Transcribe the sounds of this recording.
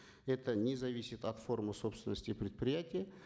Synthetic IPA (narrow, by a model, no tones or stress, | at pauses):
ɛt̪ənʲɪzɐvʲisʲɪt̪ɐt̪fo̞rmɨso̞pst̪vʲɪnːəsʲtʲɪpɾʲɪt̪̚pɾʲɪjætʲɪjə